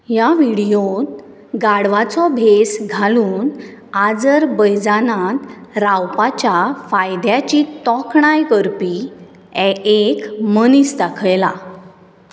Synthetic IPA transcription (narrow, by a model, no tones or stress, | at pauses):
jaʋiɽijon | ɡaɽʋat͡sɔbʱesɡʱaluːn | ad͡zəɾbəjd͡zanãt̪ɾawpat͡ɕafajd̪jat͡ɕit̪ɔkʰɳajkəɾpi | ɛekmənisd̪akʰjla